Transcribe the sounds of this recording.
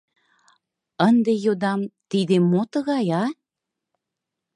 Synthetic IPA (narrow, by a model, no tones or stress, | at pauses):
ənd̪ejod̪ɑmt̪id̪emːot̪əɣɑjɑ